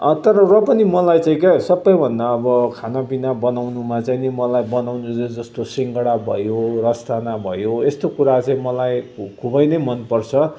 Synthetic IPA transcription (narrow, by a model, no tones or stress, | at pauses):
t̪ʌɾʌrʌpʌnimʌlajt͡saĩkesʌbːʌjbʱʌnd̪aːbʌkʰanabinabʌnawnumat͡sainemʌlajbʌnawnud͡zed͡zʌst̪osiŋkʌɽabʱʌjorʌst̪ʰanabʱʌjoest̪okuɾat͡saĩmʌlajkʰubʌjnʌjmʌnpʌrt͡sʰʌ